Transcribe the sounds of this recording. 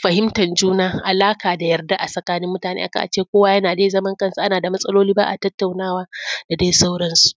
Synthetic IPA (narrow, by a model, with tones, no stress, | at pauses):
ɸɐ˨ɦɪ˦mtɐ˨nd͡ʒuː˦naː˦ʔa˨laː˦kaː˨da˨jɐ˨rda˦ʔa˨sʼɐ˨kaː˦nɪ˦mːʊ˦taː˨nḛ˦ʔa̰˦˨ka̰˨ʔa̰˨t͡ʃeː˦˨kʷoː˦waː˦jɐ˦naː˨deː˦zɐ˦mɐ˦ŋkɐ˦nsu˨ʔa˦naː˨da˨mɐ˦sʼɐ˦loː˦liː˦baː˦ʔa̰˨tɐ˦tːa˨wnaː˦waː˦da˨deː˦jsa˦wɽɐ˦nsu˨ʔ